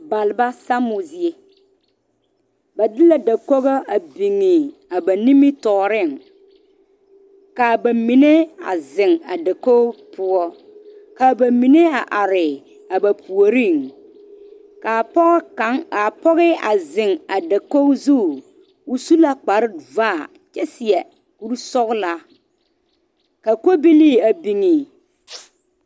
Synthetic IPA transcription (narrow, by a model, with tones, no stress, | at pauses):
ba˨lɪ˨ba˦sa˦mʊ˨zi˨e˦ | ba˨dɪ˦la˦da˨kɔ˦ɣɔ˦a˨bi˨ŋːɪ˨ | a˨ba˨ni˦mi˦tɔː˨ɾɪ˦˨ŋ | ka˨ba˨mi˨ne˦a̰˨zɪ˨ŋa˨da˨ko˦pʰʊ˦ɔ˦ | ka˨ba˨mi˨ne˦a˨ʔa˨ɾɪ˨ | a˨ba˨pʰu˨o˨ɾi˦˨ŋ | ka˨pɔ˦ɣka˨˦ŋa˨pɔ˦ɣɪ˦a˨zɪ˨ŋa˨da˨ko˦zu˦˨ | ʊ˦su˦la˦k͡pa˨ɾɪ˦vaː˦˨ | t͡ʃɛ˦sɪ˨ɛ˨ | ku˦ɾsɔ˦ɣla˦ | ka˨ko˦bi˦li˦˨a˨bi˨ŋi˨